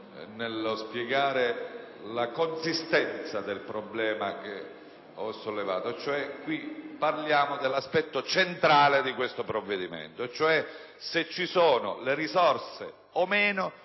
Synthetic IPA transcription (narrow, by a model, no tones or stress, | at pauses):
nelspjeɡaːɾe | lakonsist̪ɛnt̪sad̪elpɾoblɛːmake | ɔsːolːeva̰ːt̪ot͡ʃoɛkwiparljaːmod̪elːaspɛt̪ːot͡ʃent̪ɾaːled̪ikwest̪opɾovːed̪imḛnt̪ot͡ʃoɛ | set͡ʃːisoːno̰leɾizɔrsḛ | omeːno